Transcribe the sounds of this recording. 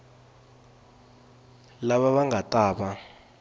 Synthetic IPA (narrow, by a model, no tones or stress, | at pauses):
laɓaɓaŋɡʱatʼaːɓa